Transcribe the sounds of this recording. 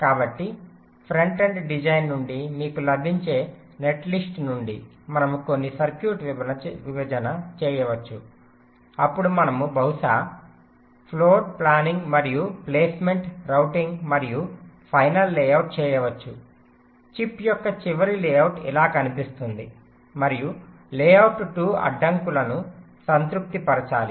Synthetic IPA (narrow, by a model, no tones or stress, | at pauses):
kaːbɐʈːi | pʰɾɐɳʈeɳɖɖid͡ʒɐjnːuɳɖimiːkulɐbʱiɲt͡ʃe̞ː | ne̞ʈlisʈnuɳɖi | mɐnɐmuko̞nːisɐɾkjuːʈʋɐnɐʋiʋɐd͡ʒɐnɐt͡ʃɛːjɐʋɐt͡ʃːu | ɐpːuɽumɐnɐmubɐɦuʂaː | pʰloːɖ̚plaːniŋɡmɐɾijupleːsme̞ɳʈɾɐwʈiŋɡmɐɾijupʰɐjnɐlːɛːjɐwʈ̚t͡ʃɛːjɐʋɐt͡ʃːu | t͡ʃipːjɔkːɐt͡ʃiʋɐɾilɛːjɐwʈḭlaːkɐnipist̪und̪i | mɐɾiju | lɛːjɐwʈuʈuːɐ̰ɖːɐŋkulɐnu | sɐnt̪ɾuk̚t̪ipɐɾɐt͡ʃaːli